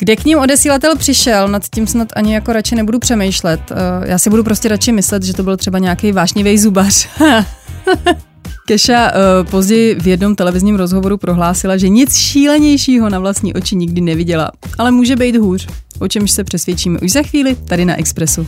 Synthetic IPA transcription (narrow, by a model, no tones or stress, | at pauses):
ɡ̥dɛkɲɪmʔo̞dɛsiːlat̪ɛlpr̥ɪʃɛlnat̪cimsnat̪ʔaɲɪjako̞ɾat͡ʃɪnɛbudupr̝̥ɛmɛjʃlɛt̪jʔaːsɪbudup̬ɾo̞scɛɾat͡ʃɪmɪslɛt̪ʒɛt̪o̞bɪlt̪r̥ɛbaɲɛakejvaːʃɲɪvɛjzubar̥ | kɛʃapo̞zɟɛjɪvjɛdno̞mt̪ɛlɛvɪzɲiːmɾo̞zɦo̞vo̞ɾupɾo̞ɦlaːsɪlaʒɛɲɪt͡sʃiːlɛɲɛjʃiːɦo̞navlastɲḭːʔo̞t͡ʃɪɲɪɡdɪnɛvɪɟɛla̰ | ʔalɛmuːʒɛbɛjt̪ɦuːr̝̥ | ʔo̞t͡ʃɛmʃsɛpr̥ɛsvjɛt͡ʃiːmɛʔuʒzaxviːlɪt̪adɪna̰ʔɛkspɾɛsu